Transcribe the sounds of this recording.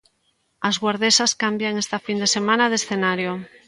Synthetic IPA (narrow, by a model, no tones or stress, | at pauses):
azɣwaɾðesaskambjaŋest̪afind̪esemãnað̞esθenaɾjo